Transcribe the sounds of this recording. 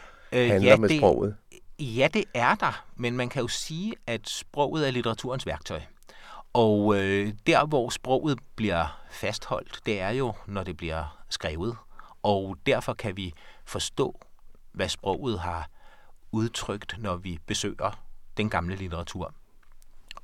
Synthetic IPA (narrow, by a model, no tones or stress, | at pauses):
æjæmeeɔ̰ʊ̰ð̩ˠjæd̥e̝ʔæɐd̥ɑ̈menmænkʰæjo̝siːæd̥sb̥ʁɔʊ̰ð̞̩ˠæɐlit͡sʰeʁɑ̈t͡sʰṵːɐ̰nsʋæɐɡ̥t͡sʰɒ̽ɪ | ɒʊød̥æɐʋɒ̰ːsb̥ʁɔ̰ʊ̰ð̞̩ˠb̥liɐfæsd̥hɒ̽l̰d̥ːe̝æɐjo̝nɒd̥e̝b̥liɐsɡ̥ʁɛːʊð̞̩ˠɒ̽ʊd̥æɐfɒ̽kʰæʋifɒ̽sd̥ɔ̰̽ːʋæsb̥ʁɔ̰ʊ̰ð̩ˠɦɑ̈ | uð̞ˠt͡sʰʁœɡ̥d̥nɒʋib̥e̝sø̰ːɪɐd̥enɡ̥ɑ̈mləlit͡sʰeʁɑ̈t͡sʰṵɐ̰